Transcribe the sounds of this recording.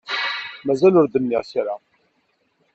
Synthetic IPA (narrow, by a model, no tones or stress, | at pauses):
mæzælʊɾd̪əmːiʁsaɾa